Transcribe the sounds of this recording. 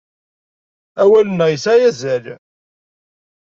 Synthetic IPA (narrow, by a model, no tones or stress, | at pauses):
æwælənːæʁjəsæjæzæl